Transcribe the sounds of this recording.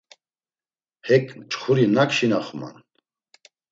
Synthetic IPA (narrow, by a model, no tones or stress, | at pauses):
hɛkʼmt͡ʃʼχuɾinakʃinaχma̰n